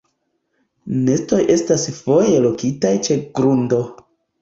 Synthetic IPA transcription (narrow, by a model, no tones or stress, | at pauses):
ne̞sto̞jʔe̞stasfo̞je̞lo̞kitajt͡ʃe̞ɡɾundo̞